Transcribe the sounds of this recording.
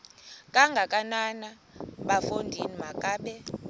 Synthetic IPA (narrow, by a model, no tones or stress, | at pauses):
kʼaŋɡʱakʼanana | ɓafondʱinimakʼaːɓɛ